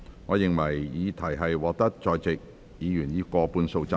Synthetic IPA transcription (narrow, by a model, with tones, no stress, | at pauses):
ŋɔː˨˧jɪ˨ŋwɐ˨˩jjiː˨˧t̪ʰɐ˨˩jɦɐ˨jwɔː˨k̚t̪ɐ˥k̚t͡ʃɔː˨˧jt͡sɪ˨k̚ | jiː˨˧jyː˨˩njiː˨˧kɔː˧puː˧nso˧wt͡sa˧